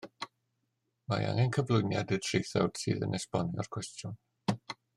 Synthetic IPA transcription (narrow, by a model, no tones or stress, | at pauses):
maja̰ŋɛnkʰəvlˠʊjnjadɨtʰrejθɛ̰wd̥sɨːðə̰nʔɛspɔniɔ̰rkʰwɛstjʊn